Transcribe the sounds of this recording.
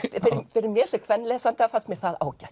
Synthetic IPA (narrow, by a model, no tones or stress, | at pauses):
fɪɾɪfɪɾɪɾmjɛɾsɛkʰvɛnːlɛːsant̪aafast̪mjɛɾ̥θaða̰ːwcaj